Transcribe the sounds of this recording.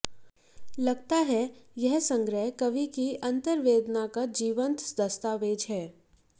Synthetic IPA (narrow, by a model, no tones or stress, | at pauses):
lɐɡt̪aɦɛjɛɦsə̃ŋɡɾɛkɐʋikiɐ̃nt̪əɾʋeːd̪nakad͡ʒiːʋə̃nt̪d̪ɐst̪aːʋeːd͡ʒɦɛː